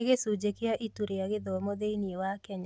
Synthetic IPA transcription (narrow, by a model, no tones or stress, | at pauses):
ɡesud͡ʒekɪaʔituɾejaɡɪd̪ɔmod̪einiewakɛɲ